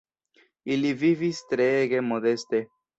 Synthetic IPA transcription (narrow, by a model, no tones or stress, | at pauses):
ilivivist̪ɾeɣemoðest̪e